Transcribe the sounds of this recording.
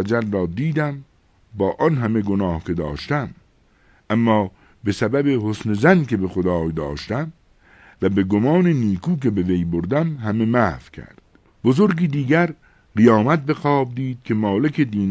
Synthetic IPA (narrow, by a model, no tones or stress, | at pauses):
æd͡ʒæɾːɒːd̪iːd̪æm | bɒːʔɒnɦæme̞ɡonɒːhkʰe̞d̪ɒːʃt̪æm | ʔæmːɒː | be̞sæbæbehosnezænke̞bexod̪ɒːjd̪ɒːʃt̪æm | væbe̞ɡomɒːneniːkʰuːk̬e̞be̞vejboɾd̪æmɦæme̞mæfkʲʰæ̰ɾd̪̥ | b̥ozoɾɡiːd̪iːɡæɾ | ɢijɒːmæt̪̚be̞xɒːb̚d̪iːd̪̥̚kʰe̞mɒːlekʰed̪iːn